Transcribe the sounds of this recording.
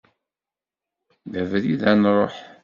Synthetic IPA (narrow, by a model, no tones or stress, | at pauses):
ðævɾiðænɾˤoħ